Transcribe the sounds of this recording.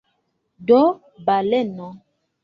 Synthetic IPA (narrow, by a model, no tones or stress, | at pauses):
ɖɔ | balɛnɔ̃